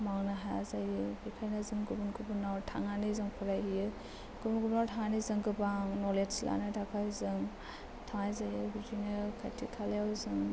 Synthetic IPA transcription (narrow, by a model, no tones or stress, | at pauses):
maŋnaɦa̰zajɯbikʰajnazɯŋɡubunɡubunawɾtʰa̰ŋanizɯŋpʰɯɾajhijɯ | ɡ̥ubunɡubnawtʰaŋanizɯŋɡɯbaŋnɔletsila̰nɯtʰakʰajzɯŋ | tʰaŋajzajɯbizinɯkʰajtʰikʰaljawzɯŋ